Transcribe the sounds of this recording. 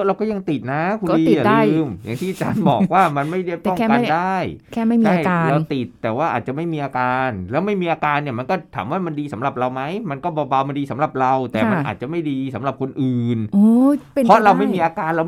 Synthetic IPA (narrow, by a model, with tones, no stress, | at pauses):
ɾa˧wkɔː˥˩ja˧ŋt̪i˨˩t̪̚na˦˥kʰu˧˥i˧˨a˨˩˧ɯː˧mja˨˩ŋt̪ʰiː˥˩ʔa˧t͡ɕa̰ː˧nbɔ̰ː˨˩k̚waː˥˩ma˧nma˥˩jɾi˥˩p̪̚ɔ˥ŋ˥˧ka˧ndaː˥˩jkʰɛː˥˩ma˥˩it͡ɕʰa˥˩ja˧ɾa˧wt̪i˨˩t̪ːɛː˨˩waː˥˩ʔaː˨˩t͡ɕa˨˩ma˥˩jmiː˧ʔaː˧kaː˧nlɛː˦˥wma˥˩jmiː˧ʔaː˧kaː˧ni˥˩ɐma˧nkɔː˥˩t̪ʰa̰ː˩˦mwaː˥˩ma˧ndiː˧sa˩˦mɾa˨˩p̚ɾa˧wma˦˥jma˧nkɔː˥˩bɔː˧ba˧wma˧ndiː˧sa˩˦mɾa˨˩p̚ɾa˧wt̪ɛː˨˩ma˧ʔa̰ː˨˩t̪̚t͡ɕa˨˩ma˥˩jdiː˧sa˩˦mɾa˨˩p̚kʰo˧nʔɯː˨˩noː˧˦ɔ˦˥ɾa˧wma˥˩jmiː˧ʔaː˧kaː˧nɾa˧w